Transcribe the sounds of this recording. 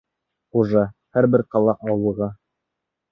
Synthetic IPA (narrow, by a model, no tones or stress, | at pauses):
uʒɤhæɾbɘɾqɑlˠɑʔɑwɤ̆ʁɑ